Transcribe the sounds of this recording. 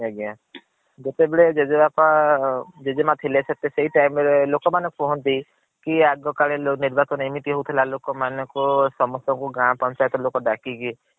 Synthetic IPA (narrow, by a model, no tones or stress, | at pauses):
eɡã | d͡ʒet̪ebeɭed͡ʒed͡ʒebapa | d͡ʒed͡ʒɔmat̪ʰilesʰet̪eseɦiʈajmɔɾelokɔmanɔkupɔɦɔnt̪i | kiaɡɔkaɭeloniɾbasɔnimit̪iɦowt̪ʰilalokɔmanɔkusɔmɔsɔŋkuɡãpɔnt͡ʃajɔt̪ɔlokɔɖakiki